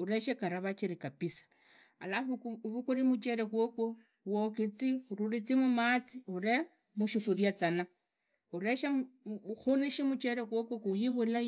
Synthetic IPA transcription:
uɾeʃekaɾaβat͡ʃiɾikapisḁ | a̰laβukuɾimut͡ʃeɾekwoko | wokit͡siuɾurit͡simumat͡siuɾe | muʃufuɾjat͡sana | uɾeʃexuniʃimut͡ʃeɾekokokujiβula

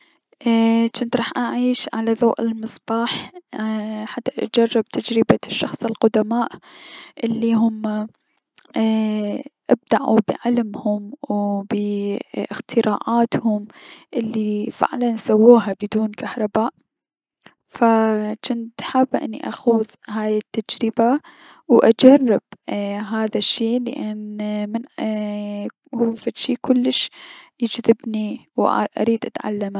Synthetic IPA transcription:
ʔt͡ʃɪnt̪ɾˤɑːħʔaʕiːʃʕalaðˤoːʔɪ̰lmɨsˤb̥ɑːħ | ħat̪ːaʔd͡ʒɑrˤːɪb̚t̪ʰad͡ʒɾɪbaʃːɑxsˤɪlqʊd̪amaːʔʔɪlːiɦʊm | ʔɪb̚d̪aʕṵbɪ̰ʕalmhʊmwbɪʔɪxt̪ʰɪɾˤɑːʕaːt̪hʊmʔɪlːifɪ̰ʕlanʔsawːuːɦabɪd̪uːnkahɾˤɑbaːʔ | fat͡ʃɪnt̪ħabʔɪ̰nːḭʔaxuð | haːjɪt̪ːad͡ʒɾɪba | wʔad͡ʒarˤːɪb̥̚ɦaːðaʃːiːlɪ̰ʔanmɪn | huːfaʃiːkʊlːɪʃjɪd͡ʒðɪbniwʔa̰ɾiːd̪ʔat̪ʕa̰lːama

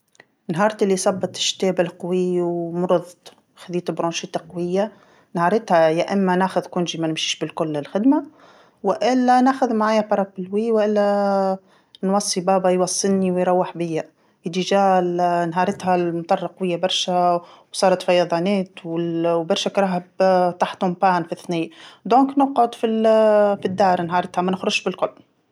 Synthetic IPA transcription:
nɦɑːɾˤt̪ʔɪlːisˤɑbːɨt̪ˤʃːt̪eːbɪlqɑwiwmʊɾʊðˤ | xaðiːt̪bɾɑnʃɪt̪aqɑwɪjːa | nhɑːɾˤɪt̪hajaʔɪmːanaːxʊðkʊnʒimanɪmʃiːʃbɪlkʊlːɪlxɪd̪ma | wɪʔɪlːanaːxʊðmaʕaːjapɑɾˤɑpːɪlwiːwʔɪlːa | nwɑsˤːibaːbɑjwɑsˤːɨlniwɪjɾˤɑwːɪħbɪjːa | jɪd̪iʒaːlnɦɑːɾˤɪt̪halmt̪ˤɑrˤːɑqwɪjːabɑɾˤʃawsˤɑːɾˤɑt̪fɑjɑðˤɑːneːt̪wɪlwbɑɾʃakɾˤɑːɦabt̪aħt̪hʊmpaːnfiθniːd̪oːŋknʊqʕʊd̪filfid̪ːɑːɾˤnɦɑːɾˤɪt̪hamænɪxɾʊʃbɪlkʊlː

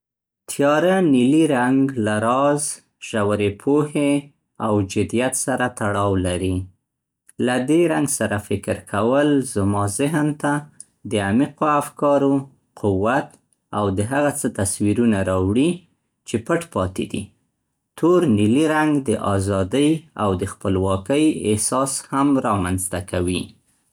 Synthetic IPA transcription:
t̪ʰjɑɾaniliɾaŋɡlaɾɑz | ʒ̥awaɾepʰohe | awd͡ʒɪd̪ijat̪saɾat̪aɽɑwlaɾi | lad̪eɾaŋɡsaɾafɪkɾkʰawəlzmɑzɪɦnt̪a | d̪əamiqoafkɑɾo | qʰʊwːat̪ | awd̪əɦaɣat͡sət̪aswiɾunaɾɑwɽi | t͡ʃepəʈpɑt̪ḛd̪ḭ | t̪oɾniliɾaŋɡd̪əʔɑzɑd̪əjawd̪əxpəlwɑkəjɪ̰hsɑshamɾɑmanzt̪akʰawi

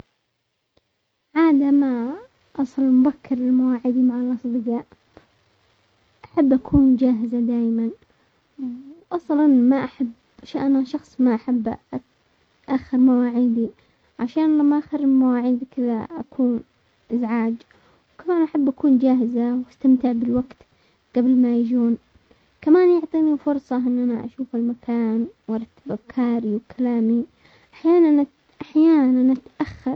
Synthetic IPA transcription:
ʕaːd̪ama | ʔɑsˤlmʊbakʰːɪɾɪlmawaːʕɪd̪imaʕɪlʔɑsˤd̪ˤɨɡaːʔ | ʔaħabːʔakʰuːnd͡ʒaːɦɪzad̪aːjman | ʔɑsˤlɑnmaʔaħab | ʃaʔnaʃɑxsˤmaʔaħabː | ʔaxːɪɾmawaːʕiːd̪i | ʕaʃaːnlamːaʔaxɪɾmawaːʕiːd̪kɪða̰ʔa̰kʰuːn | ʔɪzʕaːd͡ʒ | wkamaːnʔaħabːʔakuːnd͡ʒaːɦɪzawʔast̪amt̪ɪʕbɪlwaɡt̪ | ɡ̥abɪlmajɪd͡ʒuːn | kamaːnjʊʕt̪ˤiːnifʊɾˤsˤɑʔɪnːʔanaʔa̰ʃuːfɪlmakʰaːnwɑɾˤɑt̪ːababkʰaːɾiwkʰalaːmi | ʔaħjaːnan | ʔaħjaːnanʔat̪ʔaxːɑɾˤ

